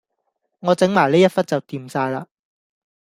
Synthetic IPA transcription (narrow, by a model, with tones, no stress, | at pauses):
ŋɔː˨˧t͡sɪ˨˥ŋmaː˨˩jliː˥jɐ˥t̚fɐ˥t̚t͡sɐ˨wt̪iː˨˧msaː˧jlaː˧